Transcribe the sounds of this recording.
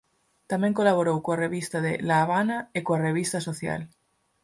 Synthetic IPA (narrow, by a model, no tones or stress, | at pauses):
t̪amẽŋkolaβ̞oɾowkoareβist̪aðḛlaːβ̞anaekoareβ̞ist̪asoθja̰l